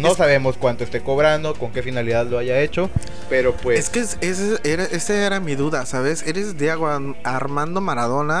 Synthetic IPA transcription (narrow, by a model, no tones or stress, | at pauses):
nosaβe̞mo̞skwant̪oest̪eko̞βɾand̪o̞ko̞ŋke̞finaliðaðloaʝae̞t͡ʃo̞ | pe̞ɾo̞pweeskeseseʔeɾaʔesaeɾamiðuðasaβe̞se̞ɾe̞zd̪jeɣoa | aɾmãnd̪o̞maɾaðo̞na